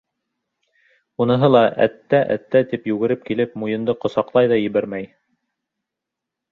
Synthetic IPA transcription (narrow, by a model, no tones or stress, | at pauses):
unɤ̆ɦɤlˠɑʔæ̰t̪ːæʔæ̰t̪ːæt̪ipjʉɡɘ̆ɾɘp̚kilɘpmujɤ̆nd̪ɤqŏsɑqlˠɑjðɑjɘ̆βæɾmæj